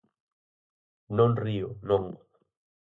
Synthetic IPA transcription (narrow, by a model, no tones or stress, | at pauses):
nõnrionoŋ